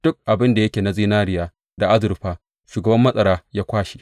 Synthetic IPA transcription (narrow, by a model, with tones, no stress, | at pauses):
d̥ʊ˦k̚ʔa˨bɪ˦nda˨jɐ˦kʲeː˨na˨ziː˦naː˦ɾɪ˨jaː˦ | da˨ʔa˦zʊ˨ɾɸaː˦ | ʃuː˨ɡɐ˨bɐ˦mːɐ˦sʼɐ˨ɾaː˦jaː˦kʷaː˦ʃi̥˦